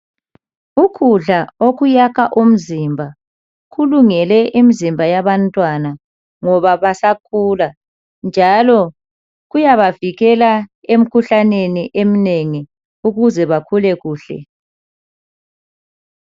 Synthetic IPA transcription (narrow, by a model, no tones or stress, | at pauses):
ukʰuɮaoɣujaɣʰaʔum̩zimbʱa | ɣuluŋɛlɛʔimizimbʱajaβantʼwana | ŋɔβaβasakʰula | nd͡ʒʱalɔ | ɣujaβaviɣɛlaem̩kʰuɬaneniʔem̩neŋi | uɣuzɛβakʰulɛɣuːɬɛ̰